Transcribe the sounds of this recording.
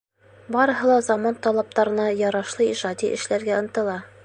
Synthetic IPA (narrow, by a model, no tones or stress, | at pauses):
bɑɾɤ̆ɦɤ̆lˠɑzɑmont̪ɒlˠɑp̚t̪ɑɾɤ̆nɑjɒɾɑʃlˠɤiʒɑd̪ʲiʔɘ̆ʃlæɾɡæɤ̆nt̪ɤ̆lˠɑ